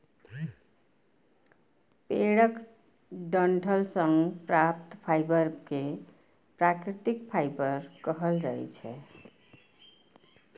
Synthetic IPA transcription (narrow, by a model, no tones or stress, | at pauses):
peɽʌk | ɖʌɳʈʰʌlsʌŋɡpɾap̚t̪pʰajbʌɾke | pɾakɾit̪ik̚pʰajbʌɾkʌɦʌlɾʌɦḛt͡ʃʰɛ̰